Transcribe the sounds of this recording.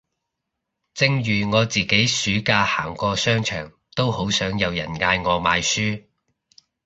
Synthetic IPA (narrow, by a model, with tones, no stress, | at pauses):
t͡sɪ˧ŋjyː˨˩ŋɔː˨˧t͡siː˨ke˨˥jsyː˨˥kaː˧ha̰ː˨˩ŋkʷɔː˧sœː˥ŋt͡ʃʰœ̰ː˨˩ŋ | t̪o˥who˨˥wsœː˨˥ŋjɐ˨˧wjɐ̰˨˩nŋaː˧jŋɔː˨˧maː˨˧jsyː˥